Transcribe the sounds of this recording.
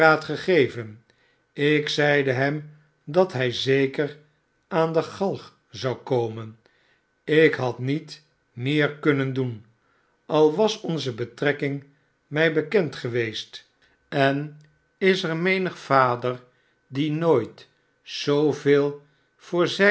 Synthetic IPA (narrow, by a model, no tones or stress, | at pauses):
aːtχəχejvən | ɪksɛjdəɦɛm | dɑtɦɛjzejkər | aːndəχɑlˠχ | zɑwkowmən | ɪkɦɑtnit | mɪːɹkɵnəndun | ɑlˠʋɑsɔnzəbətrɛkɪŋ | mɛjbəkɛntχəʋejst | ɛn | ɪsəɹmejnəχfaːdər | dinojt | z̥owveːlˠ | v̥ʊːɹzɛ